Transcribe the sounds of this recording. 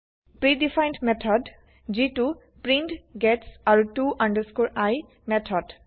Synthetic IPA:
pɹidifʰajntmɛtʰɔd | zitu | pɹintɡɛtsaɹutuʔandəskuɹaj | mɛtʰɔd

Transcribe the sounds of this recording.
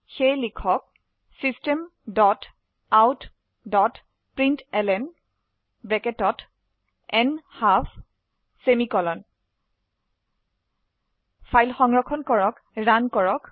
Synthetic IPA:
xejlikʰɔk̚ | sistemdɔt | awt | dɔt | pɹintɛlɛn | bɹɛkɛtɔt | ɛnhaf | semikɔlɔn | pʰajlxɔŋɹɔkʰɔnkɔɹɔk | ɹankɔɹɔk

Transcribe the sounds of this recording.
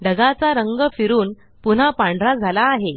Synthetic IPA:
ɖəɡat͡saɾəŋɡəfiɾuːn | pun̤apãɳɖʱɾad͡zʱalaːɦe

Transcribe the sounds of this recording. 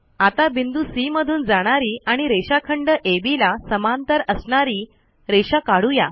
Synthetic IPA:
at̪abind̪uːsiməd̪ʱuːnd͡zaɽ̃aɾiːaɽ̃iɾeɕakʰəɳɖəʔebilasəmant̪əɾəsɳaɾiː | ɾeɕakaɽuja̰

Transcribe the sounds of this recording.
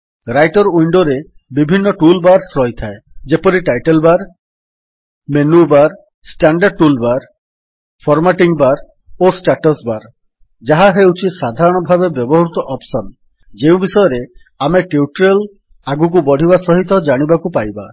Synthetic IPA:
ɾajʈɔɾujɳɖɔɾe | bibʱinːɔʈulbaɾsɾɔjt̪ʰaed͡ʒepɔɾiʈajʈelbaɾ | menubaɾ | sʈaɳɖaɖ̚ʈulbaɾ | pʰɔɾmaʈiŋbaɾ | osʈaʈɔsbaɾ | d͡ʒaɦaɦewt͡ʃʰisad̪ʱaɾɔɽ̃ɔbʱabebjɔbɔɦɔɾut̪ɔʔɔpsɔn | d͡ʒeũbisɔjɔɾe | ameʈeuʈɾel | aɡuk̬ubɔɽ̤ʱibasɔɦit̪ɔd͡ʒaɽ̃ibakupajba

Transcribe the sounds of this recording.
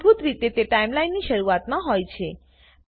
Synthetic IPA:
bʱut̪ɾit̪et̪eʈajmlajnːiʃəɾuat̪mãɦojt͡ʃʰe

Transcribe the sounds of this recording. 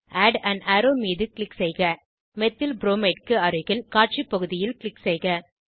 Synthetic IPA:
ʔaːɖɐɳɖæːɾoːmiːðɯkɭɪksɛɪɣɐ | mɛt̪ːɪlbɾoːmeːʈ̚kɯɐɾɯɣɐlkaːɾʈ̚t͡ʃipːɐɣɯðɪjɪlkɪɭɪksɛɪɣɐ

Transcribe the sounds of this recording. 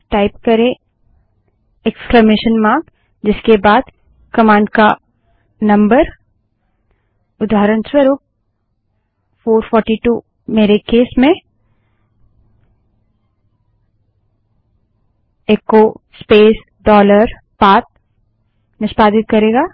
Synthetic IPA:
ʈaːɪpkɐɾẽ | eksklameːʃənmãːɡ | d͡ʒɪskebaːd̪ | kɐmãːɳɖka | nɐ̃mbəɾ | ʊd̪aːɾənswəɾuːp̚ | foːɾfʰɔːɾʈiʈuː | meːɾekeːsmẽ | eːko | speːs | ɖɔːləɾ | paːt̪̚ | nɪʃpaːd̪ɪt̪̚kɐɾeːɡaː

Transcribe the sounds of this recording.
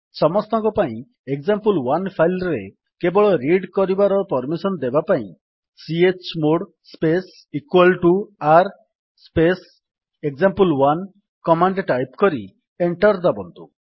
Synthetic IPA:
sɔmɔst̪ɔŋkɔpaĩ | ek̚zampulwanpʰajlɾe | kebɔɭɔɾiɽkɔɾibaɾɔpɔɾmisɔnd̪ebapaḭ̃ | siet͡ʃmoɽ | spes | ikwalʈuaɾ | spes | ekzampulwan | kɔmaɳɖʈajpkɔɾi | eɳʈɔɾd̪abɔnt̪u

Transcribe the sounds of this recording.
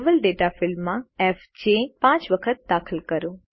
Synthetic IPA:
ʋəlɖeːʈafɪlmːãɛf | d͡ʒepãːt͡ʃʋəkʰət̪̚d̪aːkʰəlkəɾoː

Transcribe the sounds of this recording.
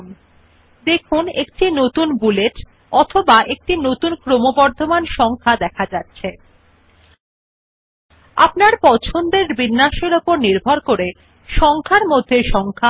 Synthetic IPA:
m | d̪ekʰunek̚ʈinot̪unbuleʈ | ɔt̪ʰobaʔek̚ʈinot̪unkɾomobɔɾd̪ʱomanʃɔŋkʰad̪ɛkʰad͡ʑatːɕʰe | a̰pnaɾpɔt͡ɕʰond̪eɾbinːaʃeɾopoɾniɾbʱaɾkoɾe | ʃɔŋkʰaɾmod̪ʱːeʃɔŋkʰa

